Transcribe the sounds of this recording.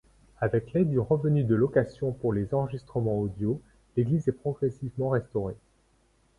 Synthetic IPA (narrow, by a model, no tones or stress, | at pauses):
avɛklɛd̪yʁəvənyd̪əlɔkasjɔ̃puʁlezɑ̃ʁəʒist̪χəmɑ̃od̪jo | leɡlizɛpχɔɡʁɛsivmɑ̃ʁɛst̪ɔʁe